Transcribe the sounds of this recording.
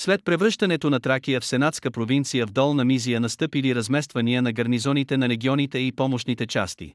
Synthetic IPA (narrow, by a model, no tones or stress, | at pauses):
slɛt̪̚pɾɛvɾɤʃt̪ɐnɛt̪onɐt̪ɾakiəfsɛnat̪skəpɾovint̪sijəvd̪ɔlˠnɐmizijənɐst̪ɤpiliɾɐzmɛst̪vɐniənɐɡɐɾnizɔnit̪ɛnɐɾɛɡʲiɔnit̪ɛipɔmoʃnit̪ɛt͡ʃa̰st̪ḭ